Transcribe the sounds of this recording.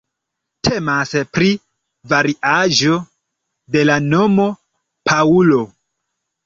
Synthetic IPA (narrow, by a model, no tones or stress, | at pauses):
tʰe̞maspɾi | vaɾiʔaʒo̞ | de̞lano̞mo̞ | pʰaulo̞